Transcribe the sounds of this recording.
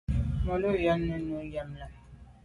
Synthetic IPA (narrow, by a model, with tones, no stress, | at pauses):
mo˨lo˦˨ja˦nːə˦nu˨˦ja˦mla˨